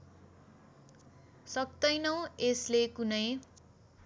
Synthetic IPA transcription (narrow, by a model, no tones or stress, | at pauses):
sʌk̚t̪ʌjnʌw̃eslekunʌj